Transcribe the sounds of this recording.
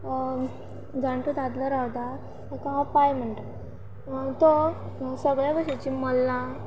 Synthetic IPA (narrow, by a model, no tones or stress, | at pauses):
ɡãɳʈut̪ad̪ləɾawd̪a | kaɦapajm̤əɳʈ̪ə | t̪o | səɡɭjabəɕet͡ɕiːməlːa